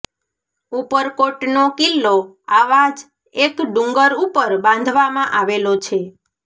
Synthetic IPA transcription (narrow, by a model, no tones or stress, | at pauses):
upəɾkoʈnokilːo | aʋad͡ʒ | ekɖũŋɡəɾupəɾbãn̆d̪ʱʋamãʔaʋelot͡ʃʰe